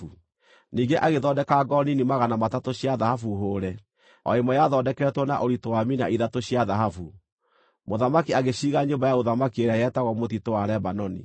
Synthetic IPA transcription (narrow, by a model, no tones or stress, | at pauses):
u | niːɡeʔaɣeðɔdɛkaɡɔninimaɣanamatatoɕiaðahafuɦoːɾɛ | ɔ̰emɔjaðɔdɛkɛɛtwɔna̰ʔoɾitowaminaʔiðatoɕiaðaɦafu | moðamakiaɣeɕiːɣaɲoːmbajaoðamakieɾajɛtaɣɔmotitowaɾɛbanɔnḭ